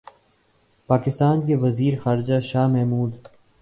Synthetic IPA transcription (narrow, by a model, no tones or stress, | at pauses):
paːkɪst̪aːnkeʋɐziːɾexaːɾɪd͡ʒaʃaːɦmɛɦmuːd̪